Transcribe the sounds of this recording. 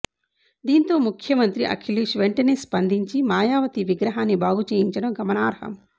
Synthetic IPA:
d̪iːnt̪o̞ːmukʰjɐmɐnt̪ɾiʔɐ̰kʰiliːʃʋeɳʈɐneːspɐnd̪ʱiɲt͡ʃimaːjaːʋɐt̪iʋiɡɾɐɦaːnːibaːɡut͡ʃeːjiɲt͡ʃɐɽɐmɡʱɐmɐnaːɾhɐ̰m

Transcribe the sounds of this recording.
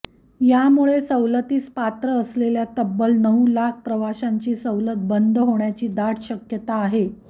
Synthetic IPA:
jamuɭesəwlət̪iːspat̪ɾəːsleljat̪əbːəlnəʋulak̚ʰpɾəʋaɕaɲt͡ɕiːsəwlət̪̚bənd̪ʱɦoɳjat͡ɕiːd̪aʈɕəkjət̪aːɦe

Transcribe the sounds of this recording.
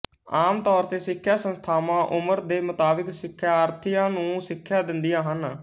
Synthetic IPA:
aːmt̪ɔːɾt̪eːsɪkʰːjaːsə̃nst̪ʰaːmãːʔʊməɾd̪eːmət̪aːbɪksɪkʰːjaːəːɾt̪ʰijãːnũːsɪkʰːjaːd̪ɪnd̪ijãːɦən

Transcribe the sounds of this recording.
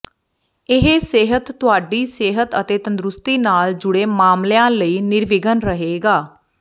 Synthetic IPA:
ɪɦeːseːɦət̪ːʊaːɖiːseːɦət̪ət̪eːt̪ənd̪ɾʊst̪iːnaːld͡ʒʊɽeːmaːmlejãːləiːnɪɾʋɪɡənɾəɦeːɡaː

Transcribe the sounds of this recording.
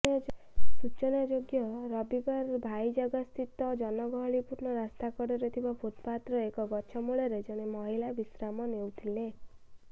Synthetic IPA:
sut͡ʃɔnad͡ʒoɡjɔɾɔbibaɾbʱajd͡ʒɔɡɔst̪ʰit̪ɔd͡ʒɔnɔɡɔɦɔɭipuɾnɔɾast̪akɔɽɔɾet̪ʰibapʰot̪pat̪ɾɔekɔɡɔt͡ʃʰɔmuɭeɾed͡ʒɔɽ̃emɔɦilabisɾamɔnewt̪ʰile

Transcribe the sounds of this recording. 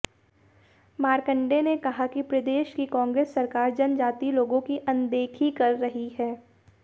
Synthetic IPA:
maːɾkə̃ɳɖenekɐɦakipɾɐd̪eːʃkikɔ̃ːŋɡɾeːsːɐɾkaːɾd͡ʒɐnd͡ʒaːt̪iloːɡõkiʔɐ̃nd̪eːkʰikɐɾːɐɦiɦɛː

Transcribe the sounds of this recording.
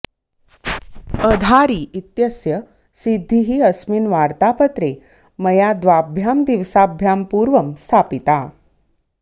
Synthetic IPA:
əd̪ʱaɾiːʔit̪jəsjə | sid̪ʱːiɦiːəsminʋaɾt̪apət̪ɾe | məjad̪ʋabʱjamd̪iʋsabʱjampuɾʋəmst̪ʰapit̪a

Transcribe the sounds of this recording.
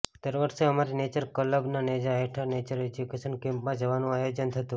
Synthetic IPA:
t̪əɾʋəɾʃeəmaɾinet͡ʃəɾkələbnaned͡ʒaeʈʰənet͡ʃəɾed͡ʒukeʃənkẽmpmãd͡ʒəʋanũajod͡ʒənt̪ʰət̪ũ

